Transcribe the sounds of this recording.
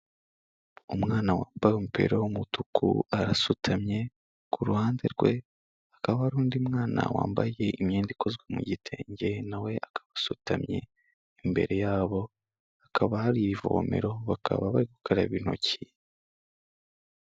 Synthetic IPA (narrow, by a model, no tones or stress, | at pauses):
umŋaːnawaːmbajomupe̞̰ɾowomutukʰṵaɾasutʰamɲe̞ | kuɾuhaːnze̞ɾɡwe̞̰ | akaβahaɾuːndiumŋaːna̰wa̰ːmba̰je̞imɲeːndiko̞zɡwamṵɟitʰe̞̰ːɲɟe̞nawe̞ʔakḁβasutamɲe̞̰ | imbe̞̰ɾe̞jaːβo̞ | akʰaβahaɾiβivo̰me̞̰ɾo̞βakʰa̰βaβaɾiku̥kʰaɾaβino̞̰ci